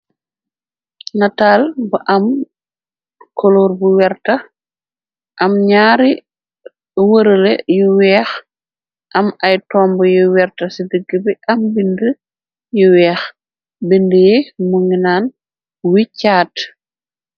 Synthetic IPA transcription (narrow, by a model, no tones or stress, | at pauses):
nɐtaːlbɐʔɐm | kɔloːrbuwɛrtɐ | ʔɐmɲaːɾi | wəɾəlejuwɛːx | ʔɐmɐjtɔːmbəjuwɛrtɐsidəɡːəbiʔɐmbində | juwɛːx | bindəjemuŋinaːn | wicːaːt